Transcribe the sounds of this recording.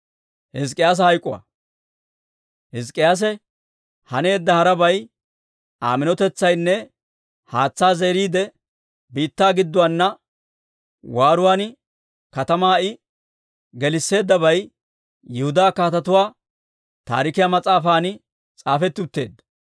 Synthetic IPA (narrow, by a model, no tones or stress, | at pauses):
hɪskʼːɪjaːs̬ɐhɐjkʼʊwa̰ | hɪskʼːɪjaːs̬ɛ | hɐne̞ːd̪ːɐhɐɾɐbɐj | aːmɪnɔt̪ɛt͡sːɐjnːɛ | haːt͡sːaːze̞ːɾiːd̪ɛ | biːt̪ːaːɡɪd̪ːʊwaːnːɐ | waːɾʊwaːn | kɐt̪ɐmaːɪ | ɡɛlɪsːe̞ːd̪ːɐbɐj | jɛhʊd̪aːkaːt̪ɐt̪ʊwaː | t̪a̰ːɾɪkɪjamɐt͡sʼaːfaːnɪ | t͡sʼaːfɛt̪ːɪʊt̪ːe̞ːd̪ːɐ